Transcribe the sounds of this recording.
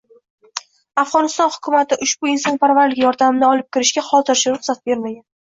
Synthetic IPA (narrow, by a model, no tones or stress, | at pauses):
afʁɒnɪst̪ɒnhʊkʰʊmat̪ɪʔʊʃbʊɪnsɒnpaɾvaɾlɪkʲjɒɾd̪amɪnɪɒlˠɪp̚kʲɪɾɪʃɡʲaχɒlˠt̪ʰɪɾʃɪɾʊχsat̪̚be̞ɾmaɡʲan